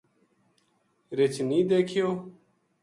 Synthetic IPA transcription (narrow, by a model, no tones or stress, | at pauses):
ɾet͡ɕniːd̪eːkʰijoː